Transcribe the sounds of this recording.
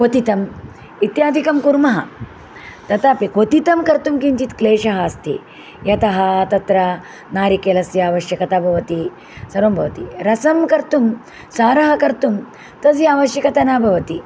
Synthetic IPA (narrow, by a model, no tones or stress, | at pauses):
kot̪it̪ɐm | it̪jaːd̪ʱikɐmkuɾmɐɦɐ̰ | t̪ɐt̪aːpikot̪it̪ɐmkɐɾt̪umkiɲt͡ʃit̪kleːʂɐɦɐːst̪ʰḭ | jɐt̪ɐɦɐt̪ɐt̪ɾɐ | naːɾikelɐsjɐaːʋɐʃjɐkɐt̪aːbʱɐʋɐt̪i | sɐɾoːmbʱɐʋɐt̪iɾɐsɐmkɐɾt̪um | saːɾɐɦɐkɐɾt̪um | t̪ɐs̬jaːʋɐʃjɐkɐt̪ɐnaːbʱɐʋɐt̪i